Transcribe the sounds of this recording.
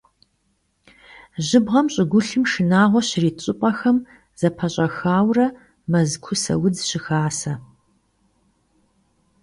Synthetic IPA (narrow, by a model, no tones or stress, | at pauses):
ʑɪbʁɐmɕʼɪɡʷʊɬɨmʃɨnaːʁʷɔɕɪriːt͡ʃʼɪpʼɐxɐm | z̥ɐpʰɐɕʼɐxaːwrɐ | mɐzkʷʰʊsɐ̰wʊd͡zɕɪxaːsɐ